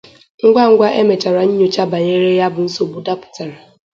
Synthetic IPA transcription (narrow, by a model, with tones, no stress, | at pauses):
ŋ̩˦ɡʷa˦ŋ̩˦ɡʷa˦ʔe˦me˨t͡ʃa˨ɾa˨ɲ̩˦ɲo˨t͡ʃa˦ba˨ɲe˦ɾe˦ja˦bʊ˨n̩˦so˨bu˦da˦pʊ̥˨ta˨ɾa˨